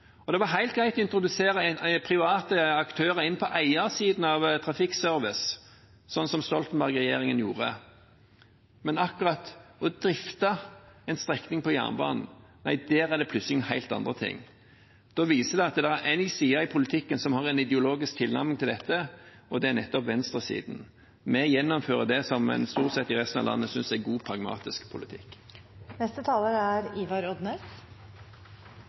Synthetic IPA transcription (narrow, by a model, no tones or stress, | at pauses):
ɔd̪ɛʋɑɦæɪlt̪ɡɾæɪt̪ɔɪnt̪ɾʊd̪ʉseːɾəpʰɾɪʋɑːt̪əɑkt̪ʰøːʁəɪnːpʰɔʔæɪɑsiːd̪n̩ɑʋt̪ʰɾɑfɪksœʁʋɪs | sɔnːsɔmst̪ɔlt̪n̩bæʁɡʁɛjeːʁɪŋənjuːʁə̰ | mɛnɑkʉʁɑt̪ɔd̪ɾɪft̪ɑɛnst̪ɾɛknɪŋpɔjæ̰ːnbɑ̰ːnn̩næ̰ɪd̪æːɾæʁd̪ɛpʰlʉt̪səlɪɛhæɪlt̪ɑ̰nd̪ʁət̪ʰɪ̰ŋː | d̪̥ɔʋiːsəd̪ɛɪɑt̪d̪ɛæɾʔæɪnɪsiːɑɪpʰʊlɪt̪ʰɪkːənsɔmhɑʁɛnɪd̪ɛʊloːɡɪsk̚t̪ʰɪlnæ̰ɾmɪŋt̪ʰɪld̪ɛt̪ːə | ɔd̪ɛænɛt̪ːɔpʋɛnst̪ʁəsḭːd̪n̩ | mɛjɛnːɔmføːʁəd̪ɛsɔmmɛ̰nst̪uːɾt̪sɛt̪ːɪʁɛst̪n̩ɑ̰ʋlɑ̰nːəsʏnsæɡuːpʰɾɑɡmɑ̰ːt̪ɪskpʰʊlɪt̪ʰɪ̰kː | nɛst̪ət̪ʰɑːləɾæɾiʋɑɾɔd̪nəs